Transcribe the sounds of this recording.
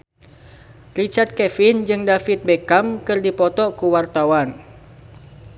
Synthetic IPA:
rit͡ʃart̪̚kɛfind͡ʒɨŋdafit̪̚bɛkamkɨrdipɔt̪ɔkuwart̪awan

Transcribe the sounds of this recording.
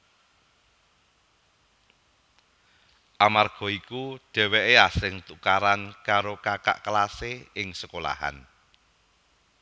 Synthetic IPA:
ʔamarɡ̥ɔ̤ikuɖ̥ɛ̤weʔeasɪŋt̪ukaɾankaɾokaka̰ʔkəlaseɪŋsəkola̰ha̰n

